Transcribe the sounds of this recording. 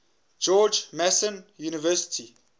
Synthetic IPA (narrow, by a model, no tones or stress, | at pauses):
d͡ʒɔːd͡ʒmɛsə̃njuːnɪvɜsɪ̥tʰi